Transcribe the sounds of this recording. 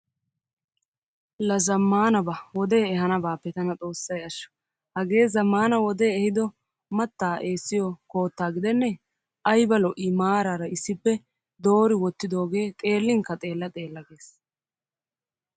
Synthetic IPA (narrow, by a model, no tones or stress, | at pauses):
lɐzɐmːaːnɐbɐwɔd̪eːɛɦɐnɐbaːpːɛt̪ɐnɐt͡sʼo̞ːsːɐjɐʃːɔ̥ | hɐɡe̞ːzɐmːaːnɐwɔd̪e̞ːɛhɪd̪ɔ | mɐt̪ːaːʔeːsːɪjɔko̞ːt̪ːaːɡɪd̪ɛnːɛ | ʔɐjbɐlɔʔiːmaːɾaːɾɐɪsːɪpːɛ | d̪o̞ːɾɪwɔt̪ːɪd̪o̞ːɡe̞ːkʼe̞ːlːɪŋkɐt̪ʼe̞ːlːɐt̪ʼe̞ːlːɐɡe̞ːs